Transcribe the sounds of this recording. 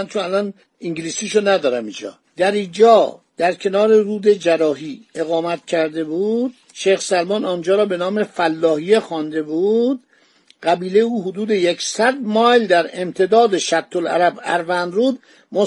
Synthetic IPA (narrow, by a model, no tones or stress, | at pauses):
nt͡ʃʰonælɒn | iŋɟiliːsiːʃonæd̪ɒːɾæmind͡ʒɒ̰ː | d̪̥æɾiːd͡ʒɒːd̪̥æɾcʰe̞nɒːɾe̞ruːd̪e̞d͡ʒæɾɒːɦiːe̞ɣɒːmæt̪̚cʰæɾd̪e̞buːd̪̥̚ | ʃejxsælmɒːnɒnd͡ʒɒːɾɒːbe̞nɒːme̞fælːɒːɦijexɒnd̪e̞buːd̪ | ɢæbiːle̞jeuːɦod̪uːd̪e̞jekʰsæd̪̚mɒjld̪æɾe̞mt̪ʰe̞d̪ɒːd̪e̞ʃæt̪ʰːolæ̰ɾæbæ̰ɾvænɾuːd̪ | mo